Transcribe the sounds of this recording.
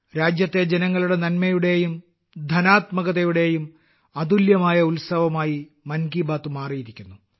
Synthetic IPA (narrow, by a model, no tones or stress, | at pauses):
ɾaːd͡ʑjɐt̪ːe̞d͡ʑenɐŋːɐɭuɽe̞nɐnmɐjuɽe̞jum | d̪ʱɐnaːt̪mɐɣɐðejuɽe̞jum | ɐd̪uljɐmaːjɐulsɐʋɐmaːji | mɐnɡibaːt̪ːumaːriːðikʲːunːu